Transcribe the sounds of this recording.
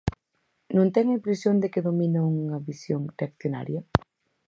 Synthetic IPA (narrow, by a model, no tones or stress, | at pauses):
nõnt̪ɛŋɐimpɾesjond̪ekɪðomĩnauŋɐβisjoŋreakθjona̰ɾjɐ